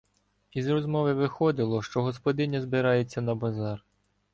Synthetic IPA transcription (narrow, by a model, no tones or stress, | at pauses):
izrɔzmɔʋɪʋɪxɔd̪ɪlˠɔʃt͡ʃɔɦɔspɔd̪ɪnʲɐzbɪɾɑjet͡sʲːɐnɐbɐzɑr